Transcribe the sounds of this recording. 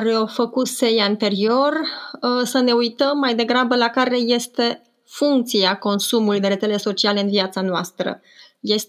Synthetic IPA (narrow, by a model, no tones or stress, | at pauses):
rofəkut̪se̞jant̪e̞ɾio̞rsəne̞ujt̪əmːajd̪e̞ɡɾabəlakaɾe̞je̞st̪e̞ | fuŋk̚t̪siako̞nsumulujd̪e̞ɾet̪sele̞so̞t͡ʃiale̞ɨnviat̪sanoast̪ɾə̰ | je̞s